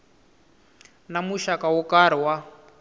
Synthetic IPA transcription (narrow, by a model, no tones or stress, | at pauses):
namuʃakawɔkaɾ̤iwa